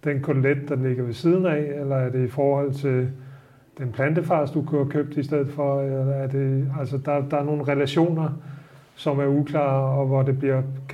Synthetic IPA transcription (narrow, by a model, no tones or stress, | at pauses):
d̥enkʰoled̥̚d̥ɑ̈le̝ɡ̥ɐʋe̝siːð̞ˠn̩ɛelɐæɐd̥e̝ifɒːhɒ̽l̰t͡sʰe̝l | d̥enpʰlænd̥əfɑ̈ːsd̥ukʰuɐkʰø̰b̥̚d̥isd̥eð̞̰̩ˠfɒ̽elɐæɐd̥e̝ælsəd̥ɑ̈d̥ɑ̈æɐno̝ːn̩ʁɛlæɕo̝̰ːnɐ | sɒ̽mæɐukʰlɑ̰̈ːɒ̽ʋɒd̥e̝b̥liɐ